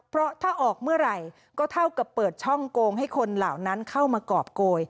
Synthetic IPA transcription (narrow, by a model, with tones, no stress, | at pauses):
pʰɾɔ˦˥t̪ʰaː˥˩ʔɔː˨˩k̚mɯ˥˩əɾa˨˩j | kɔː˥˩t̪ʰa˥˩wka˨˩pːɤː˨˩t̪̚t͡ɕʰɔ˥˩ŋkoː˧ŋɦa˥˩jkʰo˧nlaː˨˩wna˦˥nkʰa˥˩wmaː˧kɔː˨˩p̚koː˧j